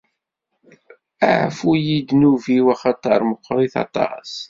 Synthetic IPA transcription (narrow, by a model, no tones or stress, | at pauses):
æʕfujid̪nuviwæχɑt̪ɑɾˤməqʰːɾˤiθɑ̰t̪ˤɑ̰s